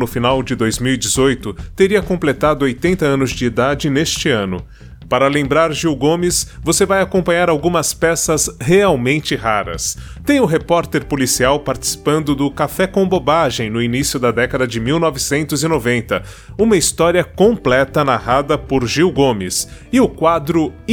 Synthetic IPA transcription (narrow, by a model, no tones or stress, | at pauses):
nʊfinawd͡ʒɪd̪ojzmiwid͡ʒɪzojt̪ʊt̪eɾiɐkõplet̪ad̪ʊojt̪ẽnt̪ɐɐ̃nʊzd͡ʒɪːd̪ad͡ʒɪnest͡ʃɪɐ̃nʊ | paɾɐlẽmbɾaɾʒiwɡõmɪsvosevajakõpɐ̃ɲaɾawɡũmɐspɛsɐzheawmẽnt͡ʃɪɦaɾɐ̰st̪ẽj̃ʊɦepɔɾt̪eɾpolisiawpaɾt͡ʃi̥si̥pɐ̃nd̪ʊd̪ʊkafɛkõbobaʒẽj̃nʊinisjʊd̪ɐd̪ɛkɐd̪ɐd͡ʒɪmiwnɔvɪsẽnt̪ʊzɪnovẽnt̪ɐ | ũmɐist̪ɔɾiɐkõplɛt̪ɐnahad̪ɐpʊɾʒiwɡõmɪs | ɪʊkwad̪ɾʊ